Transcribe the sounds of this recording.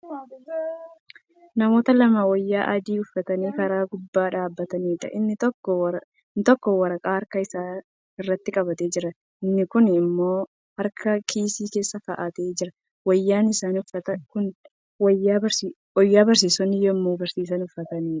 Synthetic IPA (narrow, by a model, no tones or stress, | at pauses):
nɐmo̞ːt̪ɐlɐmawɐjːaːʔɐd̪iːʊfːɐt̪ɐniːkɐɾaːɡʊbːaːᶑaːbːɐt̪ɐniːᶑɐ̰ʔɪnːɪt̪ɔkːɔ | nɪt̪ɔkːɔwɐɾɐkʼaːɐɾkɐɪsaː | ɪrːɐt̪ːɪkʼɐbɐt̪e̞ːd͡ʒɪɾɐ | ɪnːɪkʊnɪmːo̞ː | hɐɾkʰɐkʰiːsiːke̞ːsːɐkɐʔɐt̪eːd͡ʒɪɾɐ | wɐjːaːnɪsaːnʊfɐt̪ɐkʊn | wɐjːaːɐ | ɔjːaːbɐɾs̬iːsɔnɪjoɪmːoːbɐɾsiːs̬ɐnʊfːɐt̪ɐniːᶑɐ̥